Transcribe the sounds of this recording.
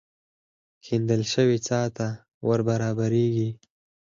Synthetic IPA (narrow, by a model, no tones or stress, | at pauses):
kʰind̪əlʃəwit͡sɑt̪a | wəɾbaɾɑːbaɾeɡi